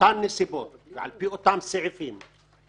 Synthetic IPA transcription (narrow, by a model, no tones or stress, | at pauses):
anːisiboʕa̰lpiʔot̪amsiʕifiːm